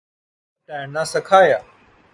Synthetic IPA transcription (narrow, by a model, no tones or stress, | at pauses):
ʈãːnãːsɐkʰaːjaː